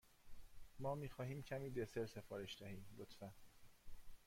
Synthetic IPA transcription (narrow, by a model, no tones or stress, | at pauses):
mɒːmiːxɒːhiːmcʰæmiːd̪eseɾse̞fɒːɾe̞ʃd̪æhiːmlot̪fæn